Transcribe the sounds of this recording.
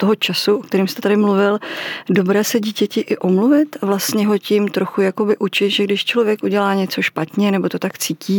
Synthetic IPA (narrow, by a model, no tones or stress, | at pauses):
t̪oɦot͡ʃasuʔok̚t̪ɛɾiːmst̪ɛt̪adɪmluvɪldo̞bɾɛːsɛɟiːcɛcɪʔɪʔomluvɪt̪vlast̪ɲɛɦo̞cɪmt̪ɾo̞xujako̞bɪʔut͡ʃɪt̪ʒɛɡdɪʃt͡ʃlo̞vjɛkʔuɟɛlaːɲɛt͡so̞ʃpat̪ɲɛnɛbo̞t̪o̞t̪akt͡siːciː